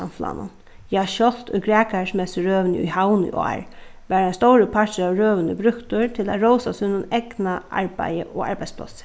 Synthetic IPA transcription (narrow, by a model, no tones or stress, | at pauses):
a̰mflɑ̰ːnʊ̰n | jɑːʃɔlt̪ʰɔɡɾæːkasmɛst̪əɾøːʋnə̰ʊ̰haʊnɪ̰ʔɔ̰ːɹ | ʋæːɾaɪnst̪owɾəpʰatəɑːʋɾøːʋənəbɾʉkt̪ʊɹt̪ʰɪla̰ɾowsasʉnːʊnɛɡ̥naʔa̰ɹbæ̰ɪə̰ʔoːa̰ɹbaɪspʰla̰sə̥